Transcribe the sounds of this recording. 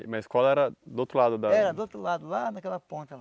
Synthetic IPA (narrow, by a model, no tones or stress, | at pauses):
mɐiskɔlɐɛɾɐd̪ʊowt̪ɾʊlad̪ʊd̪ɐɛɾɐd̪ot̪ɾʊlad̪ʊlanɐkɛlɐpõnt̪ɪ